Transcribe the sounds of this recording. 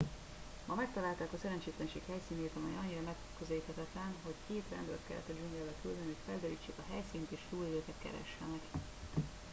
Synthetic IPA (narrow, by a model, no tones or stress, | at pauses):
mɒmɛk̚t̪ɒlaːlt̪aːkɒsɛɾɛnt͡ʃeːt̪lɛnʃḛːkhɛjsiːneːt̪ɒmɛjɒɲːiɾɒmɛkkːøzɛliːt̪hɛt̪ɛt̪lɛnɦo̞ckeːt̪rɛ̰nd̪ølt̪kɛ̰lːʔɛ̰t̪ːɒd͡ʒuŋɡɛlːɛlkyld̪ɛnihocfɛld̪ɛɾḭːt͡ʃːeːkɒɦɛjsiːnt̪eːʃt̪uːlid̪øːkɛt̪kɛ̰ɾɛ̰ʃːɛmɛɡ